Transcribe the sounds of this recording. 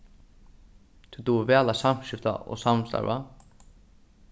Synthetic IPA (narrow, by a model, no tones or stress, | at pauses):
t̪ʰut̪uvɛːlasam̥ʃɪft̪a̰ʔɔ̰samst̪a̰ɾva̰